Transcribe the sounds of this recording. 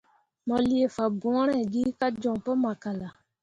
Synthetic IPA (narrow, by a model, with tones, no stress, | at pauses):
mɔ˨li˨e˨fa˨bɔ̃˨˦ɾ̃ɛ˦˨ɡi˦ka˦d͡ʒɔ̃˨ŋpɔ˦ma˨ka˨la˨